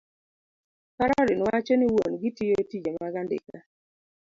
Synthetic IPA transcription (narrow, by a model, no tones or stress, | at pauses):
kaɾaɾɪnwat͡ʃɔniwonɡitiotid͡ʒemaɡandɪ̰ka